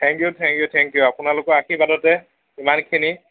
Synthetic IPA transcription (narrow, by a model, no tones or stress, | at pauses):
tʰɛŋkjutʰɛŋkjutʰɛŋkjuapʊnalʊkɔakʰibadɔtɛ | imankʰini